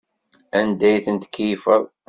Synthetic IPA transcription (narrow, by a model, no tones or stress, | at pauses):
ænd̪æjθənt̪kːijfəðˤ